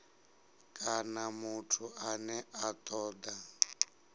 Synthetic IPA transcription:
kʼanamutʰuʔanɛʔat̪ʼɔːd̪a

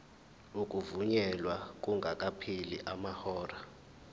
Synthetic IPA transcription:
ukʼuvuɲɛlwak̬ʼuŋɡʱakʼapʰiliʔamahɔːra

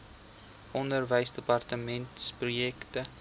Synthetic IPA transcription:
ʔɔndərvəjsdəpɑrtəmɛntsprujɛktə

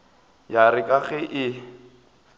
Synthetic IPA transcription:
jarɪkʼaɣɛʔɪ

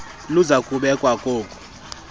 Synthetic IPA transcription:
luzakʼuɓɛkʼwakʼoːkʼɔ̥

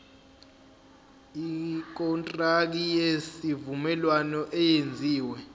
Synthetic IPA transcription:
ik̬ɔntʼrak̬ijesivumɛlwanɔʔɛjend͡zʱiːwɛ

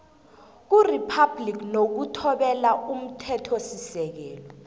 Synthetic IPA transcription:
k̬uripʰablik̬nok̬utʰɔɓɛlaʔum̩tʰɛtʰɔsisɛk̬ɛːlɔ

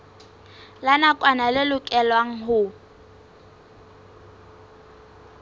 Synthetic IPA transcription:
lanakʼwanalɪlʊkʼɛlwaŋ̩ɦʊ

